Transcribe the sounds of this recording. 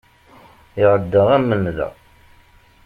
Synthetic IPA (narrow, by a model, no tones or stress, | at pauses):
ɪʁəd̪ːəʁæmːənðə̰